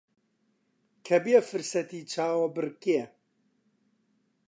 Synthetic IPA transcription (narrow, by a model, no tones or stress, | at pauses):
kʰɛbijɛfɨɾsɐt̪iːt͡ʃʰaːwɐbɨrkijɛ